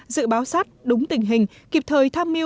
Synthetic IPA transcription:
zɨ̰˧˨ɓaː˨˦wsaː˦˥t̚ɗʊ˨˦ŋ͡mt̪ï˧˩ŋ̟ɦï˨˩ŋ̟ | ki˨˩p̚t̪ʰəː˨˩jt̪ʰaː˧mːi˧

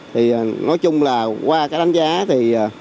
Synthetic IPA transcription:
t̪ʰi˨˩˨nɔ˨˦jt͡ɕʊ˧ŋ͡mlaː˨˩kwaː˧kaː˦˥k̚ɗa˨˦ŋ̟zaː˨˦t̪ʰiː˨˩˨

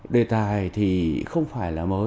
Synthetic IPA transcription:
ɗe˨˩t̪aː˨jt̪ʰi˨˩xə˧wŋ͡mfaː˧˩jlaː˨˩məː˨˦

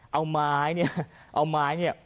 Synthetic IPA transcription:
ʔa˧wmaː˨˦jɲɛ˧ʔa˧wmaː˨˦jɲɛ˧˩˨

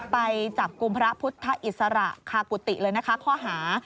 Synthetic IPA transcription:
pa˧jt͡ɕa˨˩p̚ku˧mpʰɾa˦˥pʰu˦˥t̪ʰːa˦˥ʔi˨˩t̪̚sa˧ɾa̰˨˩ʔkʰaː˧˩ku˨˩t̪ḭ˨˩ʔlɤː˧jna˦˥kʰa˦˥kʰɔː˥˩ɦaː˩˦

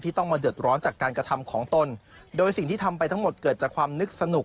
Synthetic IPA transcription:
t̪ʰiː˥˩t̪ɔ˥˩ŋmaː˧dɯ˨˩ət̪̚ɾɔː˦˥nt͡ɕaː˨˩kːaː˧nkɾa˧t̪ʰa˧mkʰɔː˩˦ŋt̪o˧ndoː˧jsi˨˩ŋt̪ʰiː˥˩t̪ʰa˧mpa˧jt̪ʰa˥ŋmo˨˩t̪̚kɤː˨˩t̪̚t͡ɕaː˨˩kʰwaː˧mnɯ˦˥k̚sa˧nu˨˩k̚

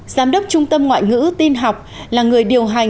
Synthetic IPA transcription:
zaː˨˦mɗə˦˥k͡p̚t͡ɕʊ˧ŋ͡mt̪ə˧mŋwa̰ː˧˨jŋɨ̰˧˥t̪i˧nɦa˨˩wk͡p̚laː˨˩ŋɨ˨˩əjɗi˨˩əwɦa˨˩jŋ

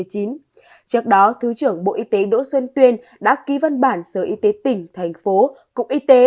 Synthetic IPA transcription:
əjt͡ɕi˨˦n | t͡ɕɨ˦˥ək̚ɗɔ˨˦t̪ʰɨ˨˦t͡ɕɨ˧˩əŋɓo̰˧˨ʔi˧t̪e˨˦ɗo̰˧˥swə˧nt̪wi˧ən | ɗa̰ː˧˥ki˨˦va˧nɓaː˧˩nsəː˧˩ʔi˧t̪e˨˦t̪ï˨˩ŋ̟t̪ʰɛ˨˩jŋ̟fo˨˦ | kʊ̰˧˨˩k͡p̚ʔi˧t̪e˨˦

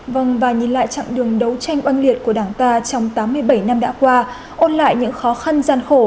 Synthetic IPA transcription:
və˧˩ŋvaː˨˩ɲi˨˩nla̰ː˧˨jt͡ɕa̰˧˨ŋɗɨ˨˩əŋɗə˨˦wt͡ɕa˧jŋ̟ʔwa˧jŋli˨˩ət̚ku˧˩əɗaː˧˩ŋt̪aː˧t͡ɕɔ˧wŋ͡mt̪aː˨˦mːɨ˧əjɓə˧˩jna˧mɗa̰ː˧˥kwaː˧ | ʔo˧nla̰ː˧˨jɲɨ̰˧˥ŋxɔ˨˦xa˧nzaː˧nxo˧˩

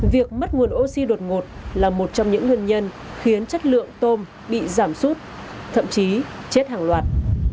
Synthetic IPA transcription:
vi˨˩ək̚mə˦˥t̚ŋu˨˩ənʔo˧si˧ɗo˨˩t̚ŋo˨˩t̚laː˨˩mo˨˩t̚t͡ɕɔ˧wŋ͡mɲɨ̰˧˥ŋːwi˧ənɲə˧n | xi˨˦ənt͡ɕə˦˥t̚lɨ̰˧˨əŋt̪o˧m | ɓḭ˧˨zaː˧˩msu˦˥t̚ | t̪ʰə̰˧˨mt͡ɕi˨˦t͡ɕe˦˥t̚haː˨˩ŋlwaː˨˩t̚

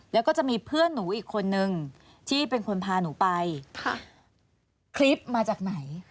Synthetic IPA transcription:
lɛː˦˥kɔː˥˩t͡ɕa˨˩ʔmiː˧pʰɯ˥˩ənːuː˩˦ʔiː˨˩kʰːo˧nːɯ˧ŋ | t̪ʰiː˥˩pe˧nkʰo˧npʰaː˧nuː˩˦pa˧jʰ | kʰli˦˥p̚maː˧t͡ɕaː˨˩k̚na˩˦j

